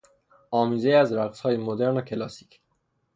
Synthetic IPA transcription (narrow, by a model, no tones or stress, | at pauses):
ʔɒːmiːzejæzɾæɣshɒːjemod̪eɾnocʰe̞lɒːsi̥cʰ